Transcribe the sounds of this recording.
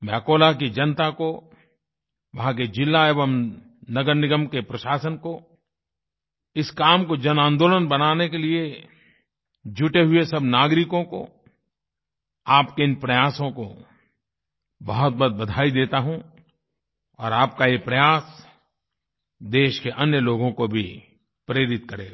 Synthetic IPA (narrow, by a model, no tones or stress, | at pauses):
mɛ̃ɐkoːlak̬id͡ʒɐnt̪ako | ʋɐɦãked͡ʒɪlːaeːʋəm | nɐɡəɾnɪɡəmkepɾɐʃaːsənko | ɪskaːmkod͡ʒɐnãːnd̪oːlənbɐnaːnekelie | d͡ʒʊʈeɦʊesɐbnaːɡɾɪkõko̰ | aːpkeɪ̃npɾɐjaːsõko | bɐɦʊt̪̚bɐt̪̚bɐd̪ʱaːid̪eːt̪aɦũ | ɔːɾaːpkajepɾɐjaːs | d̪eːʃkeʔɐnjəloːɡõkobʱi | pɾeːɾɪt̪̚kɐɾeː